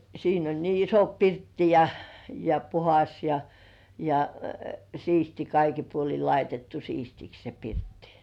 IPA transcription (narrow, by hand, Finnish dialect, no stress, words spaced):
siːn olʲ niː iso pirtːi jɑ jɑ puhɑs jɑ jɑ siːsti kɑiki puoli lɑitetːu siːstiks se pirtːi̥